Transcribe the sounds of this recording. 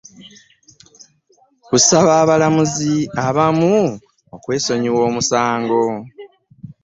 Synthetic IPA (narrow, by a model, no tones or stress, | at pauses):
kusaβaːβalamuziaβamu | okwe̞ːso̞ɲiwo̞ːmusaːŋɡo̞